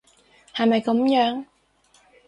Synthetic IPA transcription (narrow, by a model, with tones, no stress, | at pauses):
hɐ˨jmɐ˨jkɐ˨˥mjœː˨˥ŋ